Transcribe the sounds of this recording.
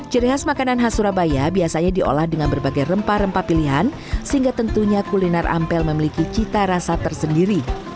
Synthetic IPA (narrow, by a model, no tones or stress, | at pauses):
t͡ʃəɾiɦasmakananɦasuɾabajabiasaɲadiʔo̰lahdəŋanbərbaɡajrəmpaɾəmpapiliɦan | səɦiŋɡat̪ənt̪uɲakulinarʔa̰mpɛlməmilikit͡ʃit̪aɾasat̪ərsəndiɾi